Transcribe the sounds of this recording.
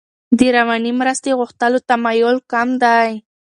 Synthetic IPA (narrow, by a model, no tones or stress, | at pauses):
d̪əɾawanimɾəst̪eɣʊxt̪əlot̪amajʊlkamd̪aj